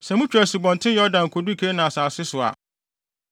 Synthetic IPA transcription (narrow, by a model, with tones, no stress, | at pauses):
sɛ˨mʊ̃˦t͡ɕᶣɾɛ˨sɪ˨bɔ̃˨ntʰɪ̃˦jɔ˦dã˨n˨kʰɔ˨du˦kʰe˦nã˨a˨saː˨sɪ˦sʊ˨a̰˨